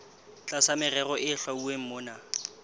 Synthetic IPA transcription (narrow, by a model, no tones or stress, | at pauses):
t͡ɬʼasamɪrɛrɔʔɪɬwauem̩moːna